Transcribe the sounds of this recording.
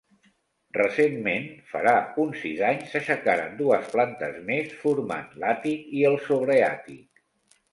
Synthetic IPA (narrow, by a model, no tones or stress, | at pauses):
rəsemmenfə̰ɾaunsizaɲsəʃəkaɾa̰nd̪uəsplant̪əzmesfuɾma̰nlat̪ikiəlˠsoβ̞ɾəa̰t̪ik